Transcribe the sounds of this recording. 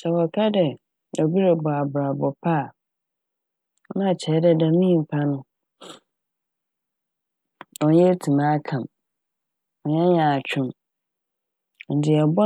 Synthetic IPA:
sɛ˨wɔ˨kʰa˦dɛ˨ | ɔ˨bi˦ɾe˨bɔ˨a˨bʊ˨ɾa˨bɔ˨pʰa˦˨˦ | nã˦˨t͡ɕʰɛ˨˦dɛ˦dã˨mĩ˦˨m̩˨pʰa˦nʊ̃˦ | ɔ̃˨n˦jɛ˦tʰũ˨mã˦kʰã˨m | ɔ̃˨ɲɛ̃˦ɲã˨t͡ɕᶣʰʊ̃˦m˨ | n̩˨dɪ˨ɛ˨bɔ˦

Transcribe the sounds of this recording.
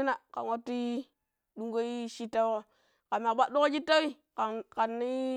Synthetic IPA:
i˦na˨ka̰˨nwa˦tːi˦ | du˦ŋɡo˦i˦ʃi˦tːa˦wo˦ | ka˨ma˨ba˦do˦ko˦d͡ʒi˦tːa˦wi˦ | ka˨ka˨nːi˦

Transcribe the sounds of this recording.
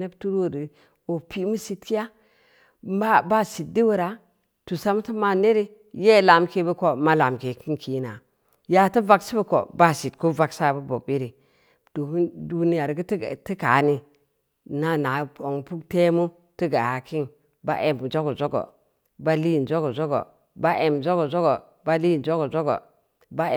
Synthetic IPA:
ne˦btu˦ɾwo˦˨di˨ | o˨pi˦mu˦si˦tki˦ja˦ | a˦ba˦si˨t̚di˦wu˦ɾa˨ | tu˨sa˦m˦ti˦ma˦ne˦ɾi˦ | je˦˨la˨mke˦be˦ko˨ma˦la˨mke˨ki˦nki˨na˨ | ja˨ti˦va˦ksi˦bə˦ko̰˨ba˦si˨tko˦va˨ksa˦˨bu˦bo̰˨bi˦ɾi˨ | d̥o˨u˦du˦ni˦ja˨ɾɡi˦tti˦ka˨ni˦ | na˦na˨po˨ŋ˨pu˦kte˦mu˦ | ti˦ɡa˨ha˨ki˦n | ba˦ʔe˨md͡ʒo˦ɡo˨zo˦ɡo̰˨ | ba˦li˦˨d͡ʒo˦ɡo˨zo˦ɡo̰˨ | ba˦ʔe˨mzo˦ɡo˨zo˦ɡo˨ | ba˦li˦˨nd͡ʒo˦ɡo˨zo˦ɡo̰˨ | ba˦

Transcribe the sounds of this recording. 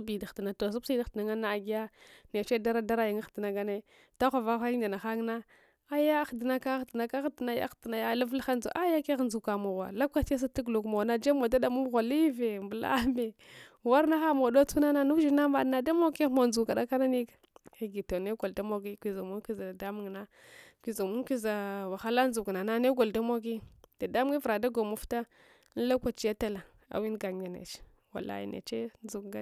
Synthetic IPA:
bi˨da˨xtna˨to˨s̬u˦bsi˦da˦xtna˨ŋa˦na˦˨ɡi˦ja˦ne˨t͡ʃe˦da˦ɾa˦da˦ɾa˦ji˨ŋa˦xti˨na˨ɡa˦ne˦ | ta˦xʷa˨va˦xa˦i˦da˨na˨xa˦ŋ˦na˦ | a˦ja˦xdi˨na˦ka˦xdna˨ka˦xdi˨na˦ja̰˦xti˨na˨ja˦la˦vlxa˦nd͡zṵ˨ʔa˦ja˦ke˦ɣnd͡zu˨ka˨mo˨wa̰˨la˦ka˦ta˦s̬a˦tu˦ɡlu˨kmo˨na˦d͡ʒe˦mo˨da˦da˦mu˦ɣʷa˨li˦ve˨mbə˨la̰˦me˨wa˦ɾna˦xa˦mo˨do˦t͡su˦na˦na˦nu˦d͡ʒi˦na˦ma˨dna˨da˦mo˦ki˦mo˨nd͡zu˨ka˨da˦ka˦na˦ni˦ki˨ɡi˨to˨ne˦ɡo˨lda˦mo˦ɡi˦kʷi˨za˨mu˦ki˦za˨a˨da˦mu˨ŋ˨na˦ | kʷi˨za˨mu˦ki˦za˨wa˨xa˦la˦nzu˨kna˨na˦ne˦ɡo˨lda˦mo˦ɡi˦d̥a˨da˦mu˦i˦vɾa˨da˦ɡo˨mu˨fta˦ | n˦la˦kʷa˨t͡ʃja˦ta˦la˨ | a̰˨wi˦n˦ɡa˨ŋ˨a˨nḛ˨t͡ʃ | wa̰˨la̰˦jḭ˨nḛ˨t͡ʃe˦n˦zu˨kɡa˦

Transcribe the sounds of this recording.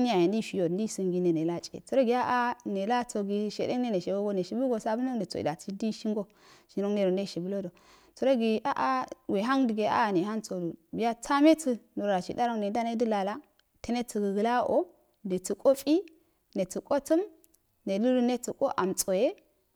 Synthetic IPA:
n˦a˨je˨ndi˦fi˨jo˨ndi˦su˨ŋɡi˨ne˨ne˨la˦t͡ʃʼḛ˨t͡su˨˦ɾo˦ɡi˨˦ja˦ʔa˦ne˨la˦t͡so˨ɡi˨ʃḛ˨de˦ŋne˦ne˨ʃe˨ɡo˦ɡo˦ne˨ʃi˨bu˦ɡo˨sa˦bu˦no˦e˨t͡so̰˨ḭ˨da˨t͡si˦di˦ʃi˦ŋɡo˦ | ʃi˨ɾo˦ŋne˨ɾo˨ne˦˨ʃi˨bu˦lo˦do˨ | t͡su˨ɾo˦ɡi˨a̰˦ʔa˦we˨ɦa˦ŋdi˨ɡe˨ʔa̰˦˨ne˨ɦa˦nt͡so˨du˨bi˨ja˦t͡sʰa˦me˦t͡su˦nu˨ɾɾa˨t͡ʃḭ˨da˦ɾo˦ne˨˦da˦ne˦du˦la˨la˦ | te˦ne˦t͡si˨ɡə˨ɡə˨la˦o̰˦ | de˨t͡su˨kʼo˦fʼi˦ | ne˨t͡su˨kʼo˦t͡su˦m | ne˨lu˦lu˦ne˦t͡su˨kʼo˦ʔa˨mt͡sʼo˨je˦

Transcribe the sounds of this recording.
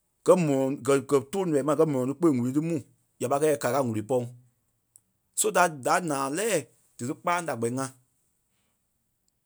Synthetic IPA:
ɡ̥ɜ˨˦mɔ̃˨ɔ̃˨ɡɜ˨ɡɜ˨toː˦n˨ɛ˨˦mã˧˨ɡɜ˧˦mɔ̃˨ɔ̃˨tɨ˧˦k͡pe˦˨ŋũ˨lĩ˨˦tɨ˦mũ˨ | ja˨pa˧kɛ˧˦ɛ˨ka˨ka˧˦˨ŋũ˨li˨˦pɔ˧ŋ | so˦da˨˦˨da˨˦nãː˨lɛː˦˨ | d̥ɨ˨tɨ˦k͡paː˦da˨ɡ͡bɛ˨i˦ŋã˧

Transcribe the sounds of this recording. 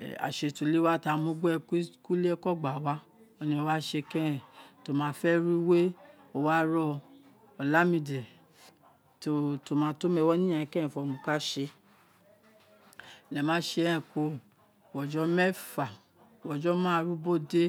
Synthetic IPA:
a̰˨ʃe˧˨to˧˨le˦wa˦ta˧˨˧mũ˦ɡ͡bkku˦le˦ɛ˦kɔ˦˨ɡ͡ba˨wa˦ | o˧nĩ˧o˧wa˦ʃe˧kɛ̃˦ɛ̃˨to˨mãː˨˦fɛ˦ɾi˦we˦ | o˧wa˦ɾɔ˧ | ɔ˨la˦mĩ˧˨dɛ˨ | to˧to˨mãː˨˦to˦mɛ˧wɔ˦nĩ˦ã˨ɛ̃˨kɛ̃˦ɛ̃˨fɔ˧mũ˧ka˦ʃe˧˨ | lɛ˨mãː˨˦ʃe˧˦ɛ̃˨ko˧˨ | wɔ˨d͡ʒɔ˧˦mɛ˦fa˨ | wɔ˨d͡ʒɔ˨˦mãː˦˧ɾu˦bo˦˨de˦

